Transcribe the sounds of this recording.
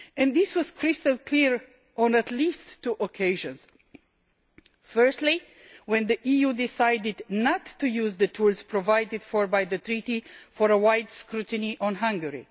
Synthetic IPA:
ɛ̃nðɪswʌz̥kʰɹ̥ɪstəlˠkʰliɹ | ɔ̃nətlistʰːuʔɔkʰeɪʒə̃nz̥ | fɜ˞stli | wɛ̃nðiʔijudɪsaɪdɪdnətːujuzðətʰulˠz̥pʰɹɔvaɪdɪd̥fɔɹbajðɨt̪ɹitifɔɹəwaɪdskɹutɨniʔɔ̃nɦãŋɡəɹḭ

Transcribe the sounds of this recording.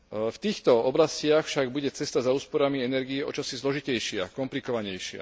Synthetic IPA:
ft̪iːxt̪ɔɔblascɪaxfʃaɡbuɟɛt͡sɛst̪azauːspɔɾamiɛnɛɾɡiɛɔ̰t͡ʃɔsizlɔʒicɛjʃɪakɔmplikɔʋaɲɛjʃɪa̰

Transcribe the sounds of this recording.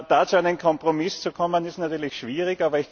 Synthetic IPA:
d̥aːt͡suæɪnənkʰɔmpʁomɪst͡sukʰɔmənɪstnatyːɐlɪçʃv̥iːʁɪçaːbɐɪç

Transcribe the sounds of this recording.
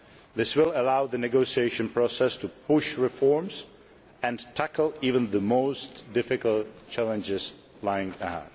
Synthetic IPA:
ðɪswɪlˠəlaʊðənɛɡoʊsieɪʃɨ̃npʰɹɔsɛstupʰʊʃɹɪfɔɹms | ɛ̃ntʰækl̩ˠivə̃nðəmoʊstdɪfɪkəlˠtt͡ʃælə̃nd͡ʒɪz | laɪɪ̃ŋəhã̰nd

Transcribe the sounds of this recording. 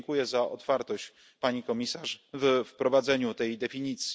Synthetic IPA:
ŋkujɛzaʔɔt̪faɾt̪ɔɕt͡ɕ | paɲikɔmʲisaʂvfpɾɔvad̪zɛɲut̪ɛjd̪ɛfʲiɲit̪sʲji̥

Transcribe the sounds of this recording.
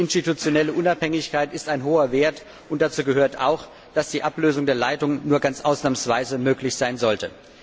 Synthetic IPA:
ɪnstitut͡sjonɛləʔʊnaphɛŋɪçkaɪtɪstaɪnɦoːɐveːɐt | ʔʊnt̚d̥at͡suːɡəɦøːɐtʰa̰ʊx | d̥asd̥iːʔapløːzʊŋdeːɐlaɪtʊŋnuːɐɡant͡sʔaʊsnaːmənsv̥aɪzəmøːklɪçz̥aɪnzɔltə

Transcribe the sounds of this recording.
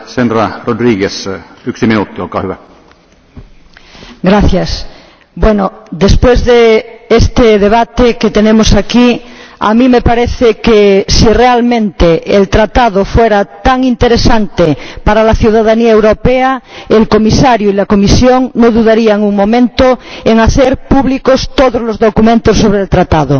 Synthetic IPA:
sendɾarod̪ɾiɡesyksiminut̪ːiolkɑ̰ːhyæ | ɡɾaθjas | bwenod̪espwezðeest̪eðeβ̞at̪eket̪enemosakia̰mĩmepaɾeθekesirealmẽnt̪eːlt̪ɾat̪aðofweɾat̪aŋint̪eɾesant̪epaɾalaθjuwðaðaniaewɾopeaelkomisaɾjoilakomisjoŋnoðuðaɾiaŋuŋmõmẽnt̪oeŋaθeɾpuβlikost̪oðozlozðokumẽnt̪osːoβɾelt̪ɾat̪aðo

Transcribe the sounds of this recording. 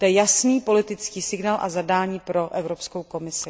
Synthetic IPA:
ojɛjasniːpo̞lɪt̪ɪt͡skiːsɪɡnaːlʔa̰zadaːɲiːpɾo̞ʔɛvɾo̞pskowko̞mɪsɪ

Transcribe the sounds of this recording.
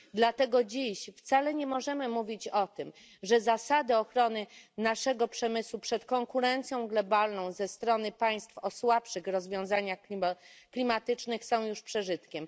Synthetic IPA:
d̪lat̪ɛɡɔd͡ʑiɕft̪salɛɲɛmɔʐɛmɘmuvʲit͡ɕɔt̪ɘm | ʐɛzasad̪ɘɔxɾɔnɘnaʂɛɡɔpʂɛmɘswupʂɛt̪kɔŋkuɾɛnt̪sʲjɔ̃w̃ɡlɔbalnɔ̃w̃zɛst̪ɾɔnɘpaj̃st̪fɔswapʂɘxɾɔzvʲjɔ̃w̃zaɲaxklʲimat̪ɘt͡ʂnɘxsɔ̃w̃juʂpʂɛʐɘt̪kʲɛm

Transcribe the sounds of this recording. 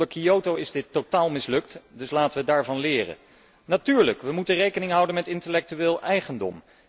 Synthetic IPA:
əkiowtowɪzdɪtːotaːlˠmɪslɵk̚tdɵslaːtəʋədaːɹvɑnlɪːrə̰ | natyːɹləkʋəmutərejkənɪŋɦʌwdənmɛtɪntəlɛk̚tyʋɪːlˠʔɛjχəndɔ̰m

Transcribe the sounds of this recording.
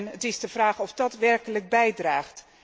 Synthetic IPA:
nətɪzdəvraːχɔfdɑtʋɛrkələk̚bɛjdraːχt

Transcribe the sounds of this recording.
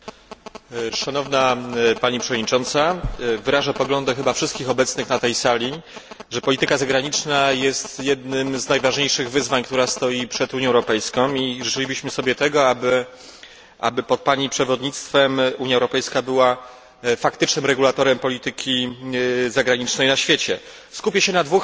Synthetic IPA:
ʂanɔvnapaɲipʂɛvɔd̪ɲit͡ʂɔnt̪savɘɾaʐapɔɡlɔnd̪ɛxɘbafʂɘst̪kʲixɔbɛt̪snɘxnat̪ɛjsalʲi | ʐɛpɔlʲit̪ɘkazaɡɾaɲit͡ʂnajɛst̪jɛd̪nɘmznajvaʐɲejʂɘɣvɘzvaɲkt̪uɾast̪ɔjipʂɛd̪uɲjɔ̃ɛwɾɔpɛjskɔ̃w̃iʐɨt͡ʂɘlʲibɘɕmɘsɔbʲjɛt̪ɛɡɔabɘ | ʔa̰bɘpɔt̪̚paɲipʂɛvɔd̪ɲit̪st̪fɛmuɲjaɛwɾɔpɛjskabɘwa | fakt̪ɘt͡ʂnɘmɾɛɡulat̪ɔɾɛmpɔlʲit̪ɘkʲʰi | zaɡɾaɲit͡ʂnɛjnaɕfʲjet͡ɕɛ | skupʲɛɕɛnad̪vux

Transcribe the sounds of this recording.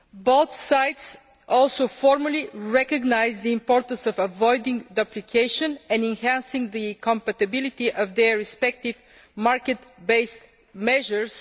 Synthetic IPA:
boʊθsajt̪s | ɔlˠsoʊfɔɾməliɹɛkəɡnajzd̪əɪ̃mpɔɾt̪ə̃nsɔvəvɔjd̪ɪ̃ŋd̪əplikʰeɪʃə̃nɛ̃nɛ̃nhæ̃nsɪ̃ŋd̪ɨkʰɔ̃mpət̪əbilit̪iʔəvd̪ɛɹɪspɛk̚t̪iv | maɹkɛt̪beɪst̪ | mɛʒəɹs

